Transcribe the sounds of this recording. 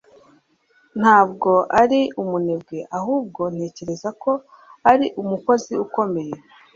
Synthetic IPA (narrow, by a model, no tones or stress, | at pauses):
n̥haːbɡo̞ʔaɾiumunebɡeʔaɦuːb̚ɡo̞n̥e̞ːce̞ɾe̞zako̞ | aɾiʔumuko̞ziuko̞me̞je̞